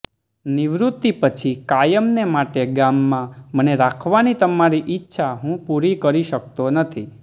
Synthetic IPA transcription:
niʋɾut̪ːipət͡ʃʰikajəmnemaʈeɡamːãməneɾakʰʋanit̪əmaɾiʔɪtːʃʰaɦũpuɾikəɾiʃək̚t̪onət̪ʰi

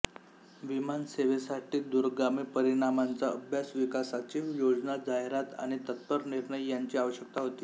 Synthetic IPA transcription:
ʋimanseʋesaʈiːd̪uɾɡamiːpəɾiɽ̃amant͡saəbʱjasʋikasat͡ɕijod͡znad͡zaeɾat̪a̰ɽ̃it̪ət̪pəɾniɾɳəjjaɲt͡ɕiːaʋəɕjək̚t̪aɦot̪iː

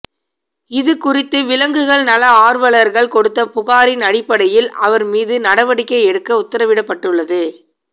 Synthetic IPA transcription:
ɪðɯkʊrɪt̪ːɯʋɪlɐŋɡɯɣɐɭnɐlɐaːɾʋɐɭɐɾɣɐɭkɔɽɯt̪ːɐpʊɣaːɾɪnɐɽɪpːɐɽɐjɪlʔɐʋɐɾmiːðɯnɐɽɐʋɐɽɪkːɐɪɛɽɯkːɐʊt̪ːɐɾɐʋɪɽɐpːɐʈːɯɭːɐðɯ

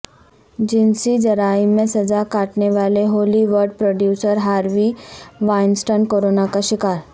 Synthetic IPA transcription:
d͡ʑinsid͡ʑəɾaimẽsəd͡zakaʈneʋaleɦoliʋəɾɖpɾoɖjusəɾɦaɾʋiʋajnsʈonkoɾonakaɕikaɾ

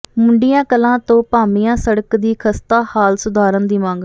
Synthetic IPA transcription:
mʊɳɖɪjãːkəlãːt̪õːpaːmijãːsəɽəkd̪iːkʰəst̪aːhaːlsʊd̪ʱaːɾənd̪iːmãːŋɡ

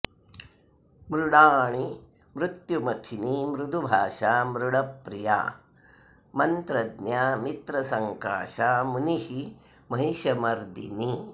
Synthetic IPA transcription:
mɾuɽaːɳi | mɾut̪jumɐt̪ʰinimɾud̪ʱubʱaːʂaːmɾuɽɐpːɾija̰ː | mɐnt̪ɾɐd̪njaːmit̪ɾɐsɐŋka̰ːʃaːmunihi | mɐɦiʃɐmɐɾd̪ḭni

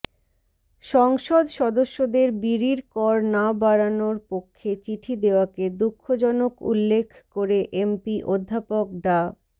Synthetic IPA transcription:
ʃɔŋʃod̪ʃɔd̪oʃːod̪eɾbiɾiɾkɔɾnabaɾanoɾpokʰːet͡ɕiʈʰid̪eoaked̪ukʰːod͡ʑɔnokṵlːekʰkoɾeʔempiʔod̪ʱːapok̚ɖa

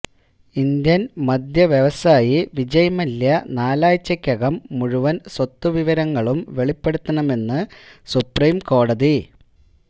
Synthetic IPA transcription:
ind̪jɐnmɐd̪ʱjɐʋjeʋɐsaːjiʋid͡ʑɐjɐmɐljɐnaːlaːjt͡ɕːɐkʲːɐɣɐmːuɻuʋɐnswɐt̪ːuʋiʋɐɾɐŋːɐɭumʋe̞ɭipːe̞ɽut̪ːɐɳɐme̞nːɨsupriːmko̞ːɽɐði

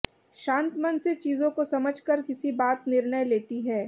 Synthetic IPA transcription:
ʃãːnt̪mənset͡ʃiːzõkosɐməd͡ʒʱkəɾkɪsibaːt̪nɪɾɳəjleːt̪iɦɛː

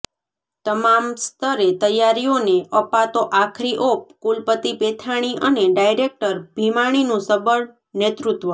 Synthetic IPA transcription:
t̪əmamst̪əɾet̪əjaɾioneʔəpat̪oʔakʰɾiʔop̚kulpət̪ipet̪ʰaɽ̃iʔəneɖajɾek̚ʈəɾbʱimaɽ̃inũsəbəɽ | net̪ɾut̪ʋə

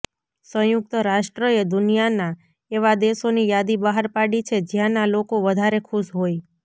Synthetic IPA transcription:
sə̃juk̚t̪əɾaʃʈɾəed̪ʊnijana | eʋad̪esonijad̪ibaɦəɾpaɽit͡ʃʰed͡ʒjãnalokoʋəd̪ʱaɾekʰuʃɦoj

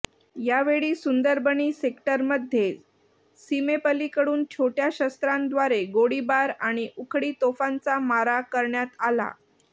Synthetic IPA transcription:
jaʋeɭiːsund̪əɾbəniːsekʈəɾməd̪ʱje | simepəlikəɽuːnt͡ɕʰoʈjaɕəst̪ɾãnd̪ʋaɾeɡoɽibaɾaɽ̃iʔukʰɽiːt̪ofant͡samaɾakəɾɳjat̪ala̰

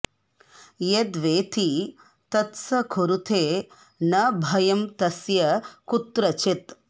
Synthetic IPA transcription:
jed̪ʋeːt̪ʰi | t̪ɐt̪sɐkʰoɾut̪ʰeː | nɐbʱɐjɐmt̪ɐsjɐkut̪ɾɐt͡ʃit̪

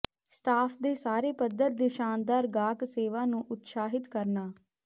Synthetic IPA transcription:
st̪ʰaːpʰd̪eːsaːɾeːpəd̪əɾd̪eːʃaːnd̪aːɾɡaːkseːʋãːnũːʔʊt̪saːɦɪt̪kəɾnaː

